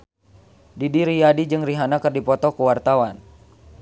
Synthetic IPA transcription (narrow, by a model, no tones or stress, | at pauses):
didiɾijadid͡ʒɨŋriɦanakɨrdipɔt̪ɔkuwart̪awan